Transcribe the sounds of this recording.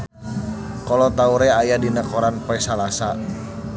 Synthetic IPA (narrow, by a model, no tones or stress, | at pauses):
kɔlɔt̪auɾɛajadinakɔɾanpɛsalasa